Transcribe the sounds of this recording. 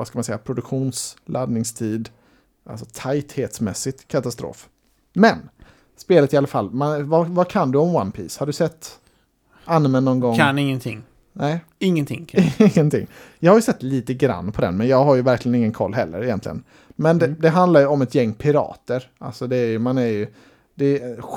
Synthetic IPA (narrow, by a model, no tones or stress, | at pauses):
vaskamansɛjːapʰɾʊd̪ɵkɧuːnslʔad̪nɪŋst̪ʰiːd̪ | ʔa̰lsɔt̪ʰajt̪heːt̪smɛ̰sːɪt̪kʰat̪ast̪ɾo̰ːf | mɛn | speːlət̪ɪalːafalːmɛnvavakʰand̪ɵɔmwanpʰḭːshaɖɵsɛt̪ː | anːmɛnːɔnɡɔŋnɪŋːənt̪ʰɪŋ | nɛɪ | ɪŋːənt̪ɪŋɪɪŋːənt̪ʰɪ̰ŋːjɑːɡhaɾjɵsɛt̪ːliːt̪əɡɾa̰nːpʰɔd̪ɛ̰nmɛnjɑːɡɦaɾjɵvæɾklɪɡənɪŋːənkʰɔ̰lːɦɛlːə̰ɾɪjɛnt̪lɪ̰ɡə̰n | mɛnd̪ɛd̪ɛɦand̪lajɵɔmɛt̪jɛŋːpʰɪɾɑ̰ːt̪əɾʔa̰lsɔd̪ɛæjɵmanæɾjɵ | d̪̥ɛ